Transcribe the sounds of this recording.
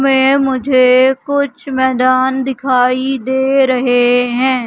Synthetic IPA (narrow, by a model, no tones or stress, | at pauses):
mẽːmʊd͡ʒʱeːkʊt͡ʃʰmɛːd̪aːnd̪ɪkʰaːiːd̪eːɾəɦeːɦɛ̃ː